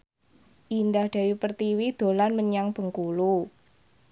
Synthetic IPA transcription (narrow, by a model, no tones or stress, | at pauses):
ʔindahd̪̥a̤wupərt̪iwid̪̥o̤lanməɲaŋb̥ə̤ŋkulu